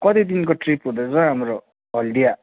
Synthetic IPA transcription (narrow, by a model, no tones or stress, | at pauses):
kʌt̪id̪inkoʈripɦud̪ad͡zʌɦamɾo | ɦʌld̪ija